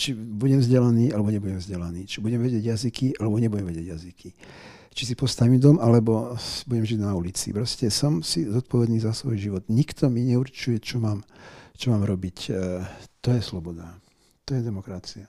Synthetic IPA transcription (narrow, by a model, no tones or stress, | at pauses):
t͡ʃibuɟɛmvzɟɛlaniːalɛbɔɲɛbuɟɛmvzɟɛlaniːt͡ʃibuɟɛmʋɛɟɪɛɟjazikialɛbɔɲɛbuɟɛmʋɛɟɛɟjazikʰi | t͡ʃisipɔst̪aʋiːmd̪ɔmalɛbɔbuɟɛmʒiɟnaulit͡sḭpɾɔscɛsɔmsizɔt̪̚pɔʋɛd̪niːzasʋɔjʒiʋɔd̪ɲikt̪ɔmiɲɛuɾt͡ʃujɛt͡ʃɔmaːmt͡ʃɔmaːmɾɔbic | t̪ɔjɛslɔbɔd̪a | t̪ɔjɛd̪ɛmɔkɾat͡sia